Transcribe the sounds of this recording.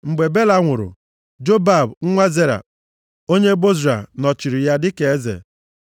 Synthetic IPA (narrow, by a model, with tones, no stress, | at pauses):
ŋ͡m̩˨ɡ͡be˨be˦la˦ŋʷʊ˨ɾʊ̰˨ | d͡ʒo˦ba˨bŋ̩˦ŋʷa˦ze˦ɾa̰˨ | o˦ɲe˦bo˦zɾa̰˨nɔ˨t͡ʃi˨ɾi˨ja˦dɪ˦ke˨e˦zḛ˨